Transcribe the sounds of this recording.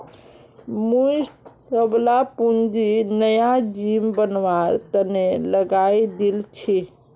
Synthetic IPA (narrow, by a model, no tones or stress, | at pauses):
mus | əblapund͡ʒinəjad͡ʒimbənʋaɾt̪əneləɡaid̪ilt͡ʃʰi